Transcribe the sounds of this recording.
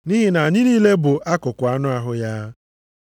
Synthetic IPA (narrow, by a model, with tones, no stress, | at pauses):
ni˦ɦi˨na˨ɲɪ˦niː˦le˦bʊ˨ʔa˦kʊ˨kʊ˨a˦nʊ˦a˦ɦʊ˦ja˦